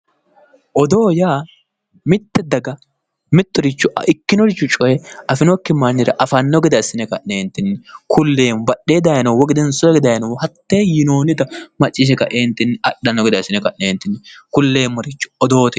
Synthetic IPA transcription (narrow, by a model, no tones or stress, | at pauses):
ʔɔd̪oːjaː | mɪt̪ːɛd̪ɐɡɐ | mɪt̪ːɔɾɪt͡ʃːʊʔʔɪkːɪnɔɾɪt͡ʃːʊt͡ʃʼɔjɛɐfɪnɔkːɪmɐnːɪɾɐ̰ʔɐfɐnːɔɡɪd̪ɐɪsɪnɛkɐeːnt̪ːɪnːɛkʰʊlːeːmbɐɗeːd̪ɐjɐnɐwwɔɡɪd̪ɛnsɔjɛɡɪd̪ɐjnɔwhɐt̪ːeːjɪnoːnɪt̪ɐmɐt͡ʃʼːɪʃ̬ɛkɐʔeːnt̪ːɪnːɐɗːɐnːɔɡɪd̪ɐɪsɪnɛkɐneːnt̪ːɪnːɪkʊlːeːmːɔɾɪt͡ʃːʊ̥ɔd̪o̞ːt̪ɪ